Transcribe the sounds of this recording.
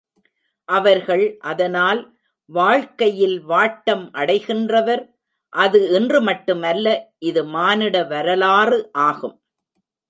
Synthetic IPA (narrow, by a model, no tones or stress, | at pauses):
ʔɐʋɐɾɣɐɭʔɐðɐnaːl | ʋaːɻkɐjɪlʋaːʈːɐmʔɐɽɐɪɣɪndrɐʋɐɾ | ʔɐðɯɛndrɯmɐʈːɯmɐlːɐʔɪðɯmaːnɪɽɐʋɐɾɐlaːrɯʔaːɣɯm